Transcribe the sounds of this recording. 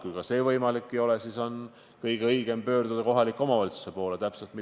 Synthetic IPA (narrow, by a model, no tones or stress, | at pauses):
kujkɑse̞ːvɤjmɑlikːio̞le̞siso̞n | kɤjɡ̥eɤjɡ̥e̞mpø̞ːrd̪ud̪̥ɑko̞ɦɑlikːˑomɑvɑlit̪su̥se̞po̞ːlet̪æpse̞lt̪̚mi